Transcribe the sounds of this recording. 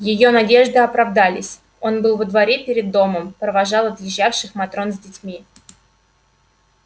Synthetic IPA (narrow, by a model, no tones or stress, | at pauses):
jɪjonɐdʲe̞ʐd̪ɨɐpɾɐvd̪alʲɪsʲ | o̞nbɨlˠvəd̪vɐɾʲepʲɪɾʲɪd̪ːo̞məmpɾəvɐʐɑlˠɐt̪jɪʑːafʂɨxmɐt̪ɾo̞nzʲdʲɪtʲmʲi